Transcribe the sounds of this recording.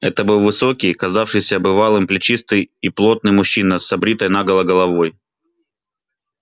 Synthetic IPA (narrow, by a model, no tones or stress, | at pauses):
ɛt̪əbɨlˠvɨso̞kʲijkɐzafʂɨjsʲɐɐbɨvalˠɨmplʲɪt͡ɕist̪ɨjiplˠo̞t̪̚nɨjmʊɕːinəsɐbɾʲit̪əjnaɡəlˠɐɡəlˠɐvo̞j